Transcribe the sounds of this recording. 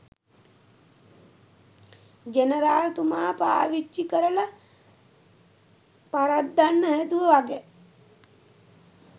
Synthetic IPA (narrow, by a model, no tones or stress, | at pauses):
ɡeneɾaːlt̪umaːpa̰ːʋit͡ʃːikəɾəla | paɾat̪d̪anːəɦæd̪uʋəʋaɡɛ